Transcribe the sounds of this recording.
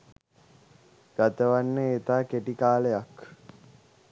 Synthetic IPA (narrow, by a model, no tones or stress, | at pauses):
ɡ̥at̪əʋanːəet̪aːkeʈikaːləjak